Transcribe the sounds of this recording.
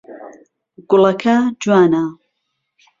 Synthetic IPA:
ɡʊlɐkʰɐd͡ʒwaːnɐ

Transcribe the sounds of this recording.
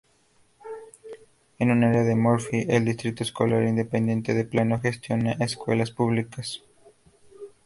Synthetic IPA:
enunaaɾeaðemoɾfiʔeld̪ist̪ɾit̪oesko̞laɾind̪epend̪je̞nt̪eðeplanoxe̞st̪jo̞naʔeskwḛlaspuβlikas

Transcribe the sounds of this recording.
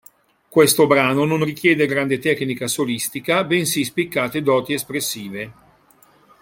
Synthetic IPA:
kwest̪obɾaːnononrik̟jɛːd̪eɡɾand̪et̪ɛknikasolist̪ikabensispikːaːt̪ed̪ɔːt̪iespɾesːiːve

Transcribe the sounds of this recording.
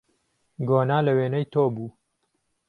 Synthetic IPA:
ɡoːnaːlɐweːnɐjt̪ʰoːbuː

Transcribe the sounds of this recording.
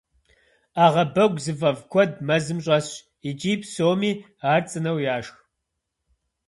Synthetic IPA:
aːʁɐbɐɡʷzɨvɐvkʷʰɔd̚mɐzɨmɕʼɐɕ | id͡ʒʼiːpʰsoːmiː | aːrt͡sʼɨnɐwjaːʂx

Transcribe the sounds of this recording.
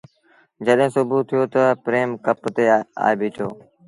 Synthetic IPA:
d͡ʒəɗɦẽːsʊbuːt̪ʰːijoːt̪əpɾeːmkəpt̪eːa̰ːebʱɪːt͡ʃʰo̰ː

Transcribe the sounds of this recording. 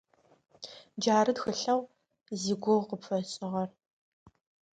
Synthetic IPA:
d͡ʒaːɾɨdxɨɬɐw | ziɡʷɔwqəpfɐɕʼɪʁɐr

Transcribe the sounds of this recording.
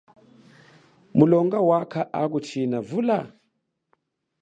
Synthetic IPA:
mulɔŋɡawakʰaʔak̬ut͡ʃʰinavula

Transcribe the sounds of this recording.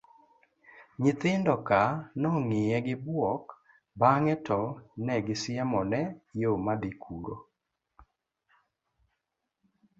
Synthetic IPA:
ɲɪt̪ɪndɔkanɔŋɪjɛɡɪbwɔk | baŋɛtɔnɛɡɪsɪamɔnɛjomad̪ikʰuɾo̰

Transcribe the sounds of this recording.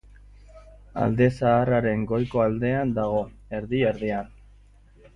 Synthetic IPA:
a̰ld̪e̞saːraɾe̞ŋɡo̞jko̞ald̪e̞and̪aɣ̞o̞e̞ɾðie̞ɾðian

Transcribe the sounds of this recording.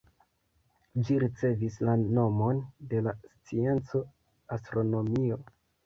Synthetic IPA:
d͡ʒiɾit͡se̞vislano̞mo̞nde̞last͡sie̞nt͡so̞ | astɾo̞no̞mio̞

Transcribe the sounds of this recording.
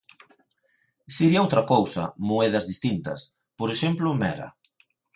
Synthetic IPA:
seɾiaowt̪ɾɐkowsɐ̰moeðɐzðist̪int̪ɐ̰s | poɾeʃemplʊmɛɾɐ̰

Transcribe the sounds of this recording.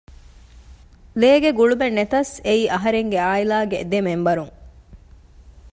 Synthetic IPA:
leːɡeɡuɭubenːet̪ɐseiːʔɐɦɐɾeŋɡeaːilaːɡed̪emembɐɾuŋ

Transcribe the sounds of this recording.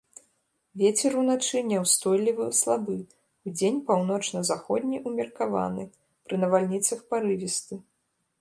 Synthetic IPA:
vʲet͡sʲɛɾunat͡ʂɨnʲɛwst̪ɔjlʲivɨslˠabɨ | ud͡zʲenʲpawn̪ɔt͡ʂnɐzaxɔd̪ʲnʲiʔumʲɐrkava̰nɨ | pɾɨnɐvalʲnʲit̪sɐxpaɾɨvʲist̪ɨ

